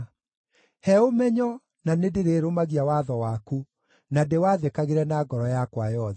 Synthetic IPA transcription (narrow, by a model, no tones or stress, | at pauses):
hɛomɛɲɔ | nanedeɾeːɾomaɣiawaðɔwaku | nadewaðekaɣeɾɛnaɡɔɾɔjakwajɔðɛ